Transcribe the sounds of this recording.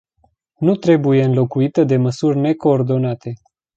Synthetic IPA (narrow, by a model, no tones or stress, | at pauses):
nut̪ɾe̞buje̞ɨnlo̞kuit̪əd̪e̞məsurʲne̞ko̞ːrd̪o̞nat̪e̞